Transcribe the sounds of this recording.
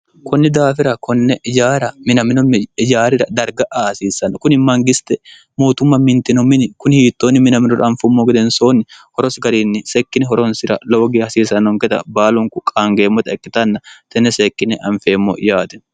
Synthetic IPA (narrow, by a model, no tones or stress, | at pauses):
kʰɔnːɪd̪aːfɪɾɐkɔnːɛɪd͡ʒaːɾɐmɪnɐmɪnʊmɪd͡ʒaːɾɪɾɐd̪ɐɾɡɐʔasiːsɐnːɐkʊnɪmːɐŋɡɪst̪ɛ | mo̞ːt̪ʊmːɐmɪnt̪ɪnɔmɪnɪkʊnhiːt̪ːoːnːɪmɪnɐmɪnʊɾɐɐɱfʊmːoɡɛd̪ɛnsoːnːɪhɔɾɔsɡɐɾiːnːɪsɛkːɪnɛɦɔɾɔnsɪɾɐ̰lɔwɡɪhɐsiːsɐnːɔŋkɛt̪ɐ̰baːlɔŋkʊkʼaːŋɡeːmːɔt̪ɐɛkːɪt̪ɐnːɐt̪ɛnːɛsekːɪnɛʔɐɱfeːmːo̰ʔɪ̰jaːt̪ɛ̥